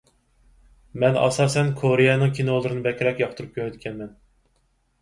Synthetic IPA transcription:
mɛnɑ̰sɑːsɛnkʰoɾejɛnɨŋkʲʰinolˠɨɾɨnɨbɛkʲʰɾɛkʲjɑχt̪ʰuɾup̚kʲʰøɾɛt̪kʲʰɛnmɛn

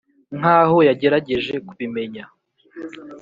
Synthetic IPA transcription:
ŋ̥aːho̞jaɟe̞ɾaɟe̞ʒe̞kuβime̞ɲa

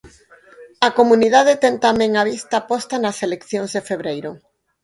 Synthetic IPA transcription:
akomũniðaðet̪eŋt̪amẽŋaβ̞ist̪apɔst̪anaselekθjoŋzðefeβɾejɾo

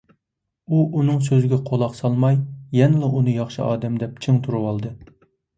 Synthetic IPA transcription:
uʔunɨŋsøzɡʲɛqʰolˠɑqsɑlˠmɑjjɛnɪlˠɨʔunɨjɑχʃɨʔɑ̰ːd̪ɛmd̪ɛp̚t͡ʃʰɪŋt̪ʰuɾuwɑlˠd̪ɨ

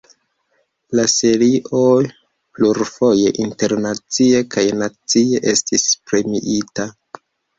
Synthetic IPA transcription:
lase̞ɾiʔoj | pluɾfo̞je̞ʔinte̞ɾnat͡sie̞kajnat͡sie̞ʔe̞stispɾemiʔita

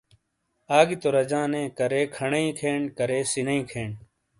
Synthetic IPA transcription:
aːɡit̪oɾɐd͡ʑãːnẽːkɐɾeːkʰɐɳeĩːkʰeːɳkɐɾeːsinɐĩːkʰeːɳ

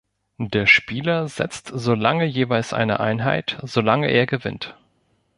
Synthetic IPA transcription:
d̥eːɐʃpiːlɐzɛ̰t͡stz̥oːlaŋəjeːvaɪlsʔa̰ɪnə̰ʔa̰ɪnɦa̰ɪtz̥oːlaŋəʔeːɐɡəvɪ̰nt

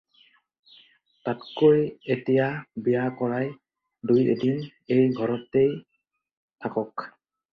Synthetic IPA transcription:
tatkojetijabijakɔɹaj | dujedin | ejɡʱɔɹɔtːej | tʰakɔk

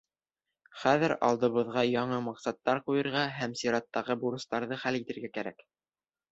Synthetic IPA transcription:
χæðɘɾɑ̰lˠd̪ɤ̆βɤ̆ðʁɑjɑɴɤmɑqsɑt̪ːɑɾqujɤ̆ɾʁɑɦæmsiɾɑt̪ːɑʁɤbuɾɤ̆st̪ɑɾðɤχælit̪ɘ̆ɾɡækæɾæ̰k

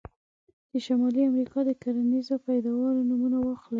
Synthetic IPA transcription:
d̪̥əʃamɑliamɾikɑd̪əkaɾanizopajd̪ɑwɑlonumunawɑxli

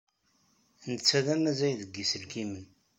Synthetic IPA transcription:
nət͡sːæðæmæzæjðəɡːisəlkimən

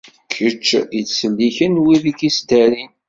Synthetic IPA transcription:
kʰːət͡ʃːit͡ssəlːiçənwiðikist̪æɾin

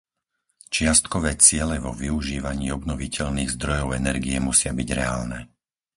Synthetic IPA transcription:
t͡ʃɪast̪kɔʋɛːt͡sɪɛlɛʋɔʋiuʒiːʋaɲiːɔbnɔʋicʰɛʎniːɣzd̪ɾɔjɔʊɛnɛɾɡiɛmusɪabiɟɾɛaːlnɛː

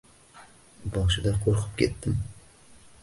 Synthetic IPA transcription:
bɒʃɪd̪aqʰoɾqʰɨ̥p̚kʲʰe̞̰t̪ːɪm

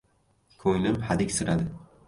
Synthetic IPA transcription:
kʰoŋlɪmhad̪ɪkʲsɪɾad̪ɪ

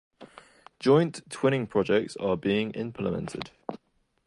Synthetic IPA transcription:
d̥ʒ̥ɔ̃ɪ̃ntʰw̥ɪñɪ̃ŋpʰɹ̥ɒd͡ʒɛk̚tsəbiːɪ̃ŋɪ̰̃mpʰlɪmɛ̰̃ntʰɪ̰d̥

